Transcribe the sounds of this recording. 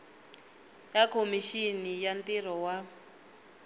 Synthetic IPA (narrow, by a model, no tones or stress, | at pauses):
jakʰomiʃinijantirɔwa